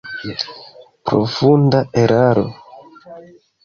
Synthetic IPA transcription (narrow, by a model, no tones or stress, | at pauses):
pɾo̰fundaeɾʔaɾo̞̰